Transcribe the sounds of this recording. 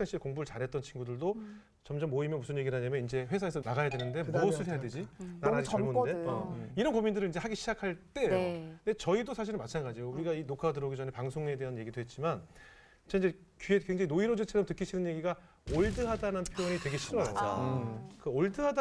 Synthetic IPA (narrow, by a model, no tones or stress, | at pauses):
sʰaɕʰiɭkoŋbuɾɯɭt͡ɕaɾɦe̞t̚t͈ʌnt͡ɕʰinɡudɯɭdo | t͡ɕʌmd͡ʑʌmːoimjʌnmusʰɯnje̞ɡiɾaɲamjʌind͡ʑe̞ɸwe̞sʰae̞sʰʌnaɡajadwe̞nɯnde̞buʌsʰɯɭɦe̞jadwe̞d͡ʑinaɾaɡit͡ɕʌmone̞ʌiɾʌnkomindɯɾɯɭind͡ʑehaɡeɕʰid͡ʑakʰaɭt͈e̞de̞t͡ɕʌidosʰaɕ̬ʰiɾɯnmat͡ɕʰanɡad͡ʑijouɾiɡainokʰadɯɾʌɡit͡ɕʌnepaŋsʰoŋe̞dwe̞ɦanje̞ɡidoɦe̞t̚t͡ɕ͈iman | t͡ɕʰeind͡ʑe̞kɥiekwe̞ŋd͡ʑaŋinoiɾod͡ʑit͡ɕʰed͡ʑʌmtɯk͈ʰːiɕʰinɯnje̞ɡiɡa | oɭdɯɦadanɯnpʰjojoɲitwe̞ɡe̞ɕʰiɾʌjo̰ | kɯoɭdɯɦada